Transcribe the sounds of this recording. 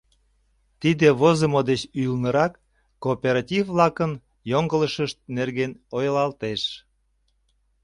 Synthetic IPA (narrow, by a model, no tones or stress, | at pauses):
t̪id̪eβozəmod̪et͡ɕyjəlnəɾɑkː | oːpʲeɾɑtʲivːlɑkən | joŋɡələʃəʃt̪̚nerɣenojlɑlt̪eʃ